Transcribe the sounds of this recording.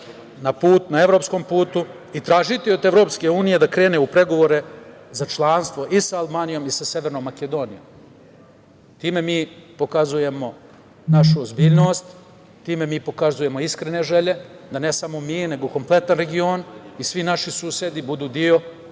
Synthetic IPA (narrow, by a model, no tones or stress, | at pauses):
napuːt̪naeʋɾo̞ːpsko̞ːmpuːt̪u | it̪ɾaːʒit̪io̞d̪evɾo̞pske̞uːnije̞d̪akɾe̞ːneupɾe̞ɡo̞ʋo̞ɾe̞zat͡ʃlˠaːnst̪ʋo̞ʔisaalbaːnijo̞misaseʋeɾnoːmːake̞d̪o̞ːnijo̞̰m | t̪iːme̞miːpo̞kazuje̞mo̞ | naʃ̬uozbiːʎno̞ːst̪ | t̪ːiːme̞miːpo̞kazuje̞mo̞iskɾene̞ʒeʎe̞d̪ane̞samo̞miːne̞ɡoko̞mplˠe̞t̪anɾe̞ɡionisʋinaʃisuːsje̞d̪ibud̪uːd̪io̞